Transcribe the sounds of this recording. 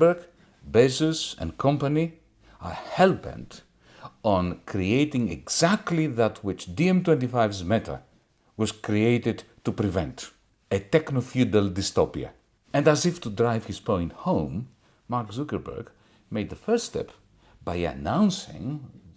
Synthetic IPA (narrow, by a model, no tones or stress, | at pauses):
bə˞ɡ | besɪzɨ̰̃nkʰʌ̃mpəni | ə˞hɛlˠbɛ̰̃nt | ɔ̃nkʰɹieɪtɪ̃ŋɛ̰ɡz̥æk̚tʰliðətʰwɪt͡ʃdiɛ̃mtwɛ̃ntifaɪvsmɛtʰə̰ | wʌz̥kɹieɪtɨd | tupɾivɛ̃nt | ɨtɛknofjudəlˠdɪstopia̰ | ɨ̃næzɨftudɹaɪv̥hɨz̥pʰõɪ̃nthõʊ̃mː | aɹksukə˞bə̰˞ɡ | meɪd̪̚ðəfɜ˞ststɛ̰p | b̥aɪɨ̰nãʊ̃nsɪ̰̃ŋ